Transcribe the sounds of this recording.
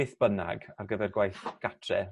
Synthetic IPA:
ɪθb̥əna̰ɡarɡəvɛrɡwajθɡ̥atʰrɛ

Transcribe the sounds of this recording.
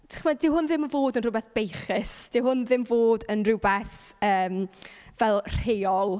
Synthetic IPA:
tʰḁχmadɪwɦʊnðɪmənvoːdənrʊbɛθb̥ejχɪsd̥ɪwɦʊnðɪmvoːdənrʊbɛθ | əːmvɛlˠr̥hejɔlˠ

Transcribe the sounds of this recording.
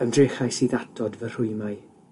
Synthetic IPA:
əmdreχajsiːðatʰɔdvər̥ʊɨmaɨ

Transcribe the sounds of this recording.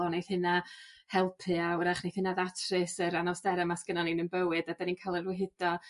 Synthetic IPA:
ɔnejθhɨnahɛlˠpʰɨawɾaχnejθhɪnaðatʰrɨsəɾanɔsdɛɾəmasɡ̥ənɔninənbəwɨdadaniːnkʰalˠərwɪɦɪd̥ɔ

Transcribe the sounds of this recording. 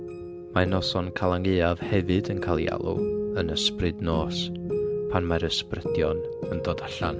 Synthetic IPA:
manɔsɔnkʰalˠaŋeːav̥hɛvɨdənkʰalˠja̰lˠṵənəsprɨdnoːspʰanmaɾəsprədjɔn | əndoːdaɬan

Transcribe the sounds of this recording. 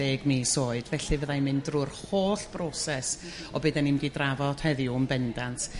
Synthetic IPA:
eːɡmisoːɨd̥vɛɬɨvəðajmɨndrʊrhoːɬb̥rɔsɛs | ɔbɨːdɛnɪmdidravɔd̥hɛðɪʊmbɛndantʰ

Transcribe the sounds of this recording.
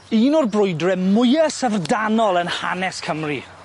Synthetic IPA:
iːnɔrbrʊjdrɛmʊjəsəvrdanɔlˠənha̰nɛskʰəmri

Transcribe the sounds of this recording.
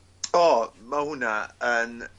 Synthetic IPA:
ɔːmahʊnaən

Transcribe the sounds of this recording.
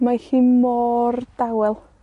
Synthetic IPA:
mahiːmɔːrd̥awɛlˠ

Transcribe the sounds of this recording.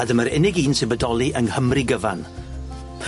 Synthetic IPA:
adəməɾɪnɪɡiːnsɪbədɔlˠiʔəŋhəmriɡəva̰n

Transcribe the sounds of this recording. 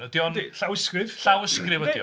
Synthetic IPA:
nədjɔndɬawɪskɨð̥ɬawəskrɪvədjɔ̰

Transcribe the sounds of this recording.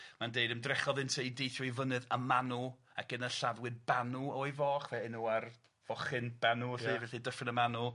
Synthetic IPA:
mandeɨdəmdrɛχɔðɨntʰejdejθjɔivənɨðəmanu | akənəɬaðwɨðbanuɔijvɔːχvɛɪnuar | v̥ɔχɨnbanuivɛɬidəfɪnəmanu

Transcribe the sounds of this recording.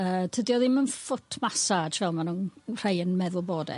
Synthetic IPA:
əːtʰədiɔðimənfʊtʰmasad͡ʒvɛlˠmanunr̥ejənmɛðʊlˠboːdɛ̰

